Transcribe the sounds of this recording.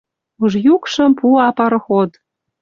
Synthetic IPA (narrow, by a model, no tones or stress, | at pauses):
uʒjukʃɤ̆mpuɑpɑɾxod̪